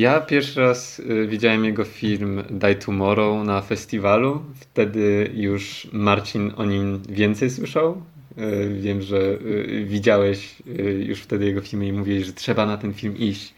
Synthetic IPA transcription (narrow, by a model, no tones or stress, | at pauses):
japʲjɛɾfʂɘɾasvʲid͡ʑawɛmjɛɡɔfʲilmd̪ajt̪ʰumɔɾɔwnafɛsʲt̪ʲivaluft̪ɛd̪ɘjuʂmaɾt͡ɕinɔ̰ɲimvʲjɛnt̪sɛjswɘʂaw | vʲjɛmʐɛvʲid͡ʑawɛɕjṵʂft̪ɛd̪ɘjɛɡɔfʲilmuimuvʲiwɛɕʐɛtʂɛbanat̪ɛnfʲilmiɕt͡ɕ